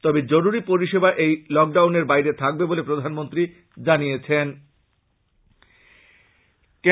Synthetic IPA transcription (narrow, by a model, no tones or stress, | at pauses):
t̪ɔbed͡ʑoɾuɾipoɾiʃebaʔejlɔk̚ɖawneɾbajɾet̪ʰak̚bebolepɾod̪ʱanmont̪ɾi | d͡ʑanijet͡ɕʰen | ke